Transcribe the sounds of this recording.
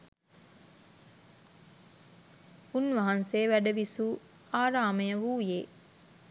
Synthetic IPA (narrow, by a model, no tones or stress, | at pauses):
unʋɐɦɐnseːʋæɖɐʋisuː | aːɾaːmejəʋuːjeː